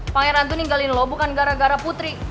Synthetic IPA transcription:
paŋɛɾant̪uniŋɡalɪnlɔbukanɡaɾaɡaɾaput̪ɾi

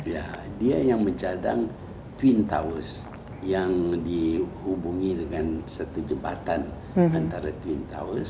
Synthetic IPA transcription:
ja̰diajaŋməɲt͡ʃada̰ŋ | t̪wint̪a̰wəs | jaŋdihubuŋidəŋansərt̪ud͡ʒəmba̰t̪an | ant̪aɾat̪uwint̪a̰wəs

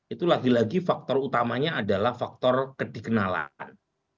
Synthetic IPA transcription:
ʔit̪ulaɡilaɡifak̚t̪ɔrut̪amaɲaadalahfak̚t̪ɔrkəd̥ikənala̰n

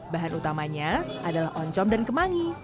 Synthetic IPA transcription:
baɦanut̪amaɲaʔadalahʔɔɲt͡ʃɔmdankəmaŋi

